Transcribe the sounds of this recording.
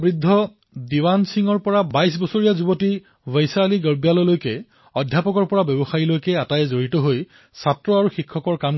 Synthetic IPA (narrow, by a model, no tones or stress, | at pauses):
bɹidʱːɔ | diwansiŋɔɹpɔɹabajsbɔsoɹijazuboti | vejsaliɡəɹbjalɔlojkɛ | ɔdʱjapɔkɔɹpɔɹabɔbɔxailojkɛatajɛzoɹitɔɦoj | satɹɔaɹuxikʰːɔkɔɹkam